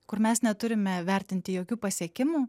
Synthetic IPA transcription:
kʊɾmʲɛsnʲɛt̪ʊɾʲɪmʲɛʋʲɛɾʲt̪ʲɪnʲt̪ʲɪjoːkʲuːpɐsʲiɛkʲɪmuː

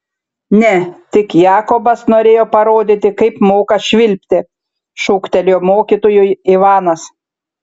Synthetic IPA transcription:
nʲɛt̪ʲɪkjɑːkobɐsnoːɾʲeːjoːpɐɾoːd̪ʲɪt̪ʲɪkɐɪpmoːkɐʃʲʋʲɪlʲpʲt̪ʲɪ | ʃʊːkt̪ʲɛlʲoːmoːkʲit̪oːjʊɪʋɑːnɐs

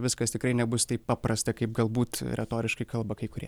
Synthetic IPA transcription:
ʋʲɪskɐst̪ʲɪkɾɐɪnʲɛbʊst̪ɐɪppɑːprɐst̪ɐkɐɪpɡɐlˠbuːt̪ɾʲʔɛt̪oːɾʲɪʃkɐɪkɐlˠbɐkɐɪkʊɾʲiɛ

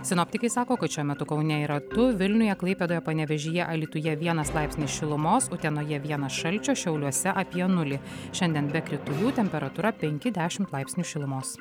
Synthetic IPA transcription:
sʲɪnɔːpʲt̪ʲɪkɐɪsɑːkoːkɐt̪ʃʲuɔmʲɛt̪ʊkɐʊnʲɛiɾɐt̪ʊʋʲɪlʲnʲʊjɛklˠɐɪpʲɛd̪oːjɛpɐnʲɛʋʲɛʒʲiːjɛʔɐlʲiːt̪ʊjɛʋʲiɛnɐslˠɑˑɪpsʲnʲɪːsʃʲɪlˠʊmoːsʊt̪ʲɛnoːjɛʋʲiɛnɐsʃɐlʲt͡ʃʲoːʃʲɛʊlʲuɔsʲɛʔɐpʲɛnʊlʲɪʃʲɛnʲd̪ʲiɛnbʲɛkɾʲɪt̪ʊjuːt̪ʲɛmʲpʲɛɾɐt̪uɾɐpʲɛŋʲkʲɪd̪ʲæːʃʲɪmt̪lˠɑˑɪpʲsʲnʲuːʃʲɪlˠʊmoːs

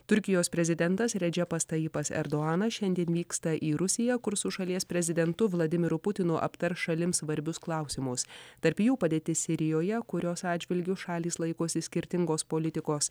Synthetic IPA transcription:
t̪ʊɾʲkʲɪjoːspʲɾʲɛzʲɪd̪ʲɛnt̪ɐsɾʲɛd͡ʒʲɛpɐst̪ɐiːpɐsɛ̰ɾd̪oɑːnɐʃʲɛnʲd̪ʲiɛnʋʲiːkst̪ɐʔiːɾʊsʲɪjɛkʊɾsʊʃɐlʲiɛspʲɾʲɛzʲɪd̪ʲɛnt̪ʊʋlˠɐd̪ʲɪmʲɪɾʊpʊt̪ʲɪnʊʔɐ̰pt̪ɐɾsʃɐlʲɪmsʋɐɾʲbʲʊsklˠɑˑʊsʲɪmʊst̪ɐɾʲpjuːpɐd̪ʲeːt̪ʲɪsʲɪɾʲɪjoːjɛkʊɾʲoːsɑːd̪ʲd͡ʒʲʋʲɪlʲɡʲʊʃɑːlʲiːslˠɐɪkoːsʲɪsʲkʲɪɾʲt̪ʲɪŋɡoːspoːlʲɪt̪ʲɪkoːs

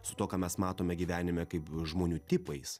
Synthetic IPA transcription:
sʊt̪oːkɑːmʲɛsmɑːt̪oːmʲɛɡʲiːʋʲæːnʲɪmʲɛkɐɪpʒmoːnʲuːt̪ʲɪpɐɪs

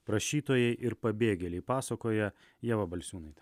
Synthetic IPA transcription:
pɾɐʃʲiːt̪oːjɛɪʔɪɾpɐbʲeːɡʲɛlʲɛɪpɑːsɐkoːjɛ | jɛʋɐbɐlʲsʲuːnɐɪt̪ʲ

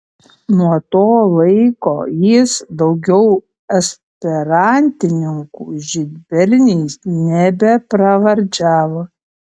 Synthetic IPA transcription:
nuɔt̪oːlˠɐɪkoːjɪsd̪ɒʊɡʲɛʊ | ɐsʲpʲɛɾɑnʲt̪ʲɪnʲɪŋkṵːʒʲɪd̪ʲbʲɛɾʲnʲiːsnʲɛbʲɛpɾɐʋɐɾʲd͡ʒʲæːʋo

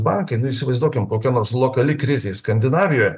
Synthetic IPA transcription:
bɑŋkɐɪnʊiːsʲɪʋɐɪzd̪uɔkʲɪmkoːkʲɛnoːɾslˠoːkɐlʲɪkɾʲɪzʲeskɐnʲd̪ʲɪnɑːʋʲɪjoːjɛ

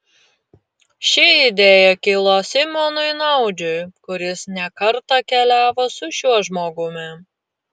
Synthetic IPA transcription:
ʃʲɪɪd̪ʲeːjɛkʲɪlˠosʲɪmʲoːnʊɪnɐʊd͡ʒʲʊjkʊɾʲɪsnʲɛkɐɾt̪ɐkʲɛlʲæːʋosʊʃʲuɔʒmoːɡʊmʲɪ

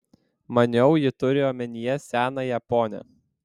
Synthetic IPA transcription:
mɐnʲɛʊjɪt̪ʊɾʲɪoːmʲɛnʲɪjɛsʲæːnɐjɛpoːnʲɛ̰

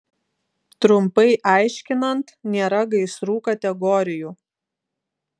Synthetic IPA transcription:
t̪ɾʊmpɐɪʔɑˑɪʃʲkʲɪnɐnt̪nʲeːɾɐɡɐɪsɾuːkɐt̪ʲɛɡɔɾʲɪjuː

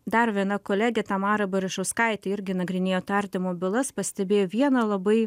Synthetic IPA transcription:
d̪ɐɾʋʲiɛnɐkoːlʲæɡʲɛt̪ɑmɑːɾɐbɐɾʲɪʃɐʊskɑɪt̪ʲɪɪɾʲɡʲɪnɐɡɾʲɪnʲeːjoːt̪ɑɾʲt̪ʲɪmoːbʲɪlˠɐspɐsʲt̪ʲɛbʲeːjoːʋʲiɛnɐlˠɐbɐɪ

